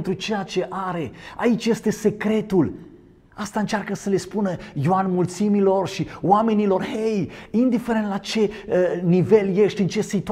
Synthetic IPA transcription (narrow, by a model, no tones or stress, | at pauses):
nt̪ɾut͡ʃe̞jat͡ʃe̞ʔaɾe̞a̰it͡ʃje̞st̪e̞se̞kɾe̞t̪ul | ast̪aɨnt͡ʃarkəsəle̞spunəjoanmult̪similo̞rʃiwame̞nilo̞rhejind̪ifeɾent̪lat͡ʃe̞nive̞lje̞ʃt̪ʲɨnt͡ʃe̞sit̪u